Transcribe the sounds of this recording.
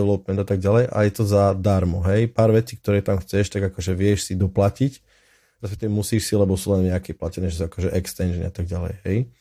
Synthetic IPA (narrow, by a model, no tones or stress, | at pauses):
ʋɛlɔp̚mɛnd̪at̪aɡ̚ɟalɛjʔa̰jɛt̪ɔzad̪aɾmɔɦɛjpaːɾʋɛt͡siːk̚t̪ɔɾɛːt̪amxt͡sɛʃt̪aɡakɔʒɛʋɪɛʃsid̪ɔplacic | ɾaspɛk̚t̪ɔɛmusiːʃsilɛbɔsuːlɛnʋɲakɛːplacɛnɛːʒɛsuakɔʒɛʔɛkst̪ɛnʒnḭat̪aɡ̚ɟalɛ̰jɦɛj